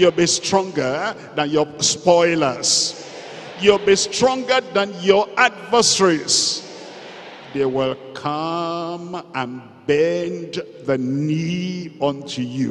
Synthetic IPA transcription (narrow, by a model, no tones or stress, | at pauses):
julbistɹɔ̃ŋɡə | ðãnjɔspɔɪləs | julbistɹɔ̃ŋɡəðãnjɔadvəsəɹis | ðewɪlkʰʌmə̃n | bɛnd | ðəniɔ̃ntʰujṵ